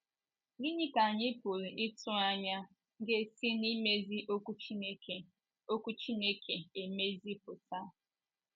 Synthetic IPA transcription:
ɡi˦ɲi˦ka˨ɲɪ˦po˨ɾi˨ʔɪ˦tʊ˦a˦ɲa˦ | ŋ̩˦ɡe˦si˦ni˦me˦zi˦ʔo˦ku˦t͡ʃne˦e˨ | o˦ku˦t͡ʃi˦ne˦kʰe˨e˨me˦zi˦pʊ˨ta˦

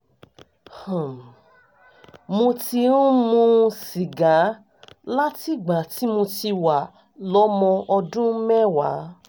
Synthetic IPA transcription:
hã˨m˨ | mõ˧ti˧ɾũ˦mũ˧ʃi˨ɡã˨˦ | la˦ti˦˨ɡ͡ba˨ti˨˦mõ˧ti˧wa˨ | lɔ˨˦mɔ̃˧ʔɔ˧dũ˦mɛ˦wa̰˨˦

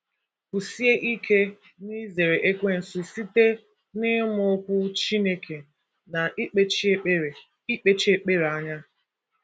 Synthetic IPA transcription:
ku˨si˦e˦ʔi˦kʰe˦ | ni˦ze˨ɾe˨ʔe˦kʷe˦n̩˨su˨si˦te˦ | nɪ˦mʊ˦kʷʊ˦t͡ʃi˦ne˦kʰe˨ | na˨ʔi˦k͡pe˦t͡ʃe˨ | i˦k͡pe˦t͡ʃe˦k͡pe˦ɾe˨a˦ɲa˦

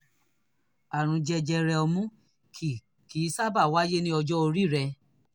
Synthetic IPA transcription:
a˨ɾ̃ũ˧d͡ʒɛ˧d͡ʒɛ˧ɾɛ˧ɔ˧mũ˦ | k | ki˨˦sa˦ba˦˨wa˦je˦nĩ˦ɔ˧d͡ʒɔ˦o˧ɾi˦˨ɾɛ˧

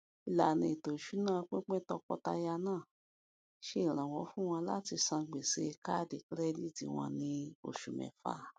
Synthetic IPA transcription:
i˧˨la˨nĩ˧i˨to˨ʃu˨˦nãː˦˨˧k͡pẽ˦k͡pɛ̃˦tɔ˧kɔ˧ta˧ja˧nãː˦˨ | ʃẽ˦˨ɾ̃ã˨wɔ˨˦fũ˦w̃ɔ̃˧la˦ti˧sã˧ɡ͡be˨se˨˧ka˦˨de˨kɾɛ˦˧li˦˨tḭ˨˦w̃ɔ̰̃˧nĩ˧o̰˨ʃu˨mɛ̰̃˨fa̰˨˦

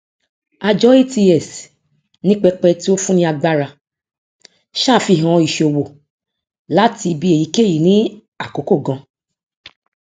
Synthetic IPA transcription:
a˧d͡ʒɔ˦e˦ti˧ɛ˨s | nĩ˦k͡pɛ˧k͡pɛ˧ti˦o˦fũ˦nĩ˧˦a˧ɡ͡ba˧ɾa˧ | ʃaː˦˨fi˧˨ɦã˧i˨ʃo˨wo˨ | la˨˦ti˧bi˧˦e˨ji˨˦ke˦˨ji˨nĩ˨˦ | a˦˨ko˨˦ko˦˨ɡã˧

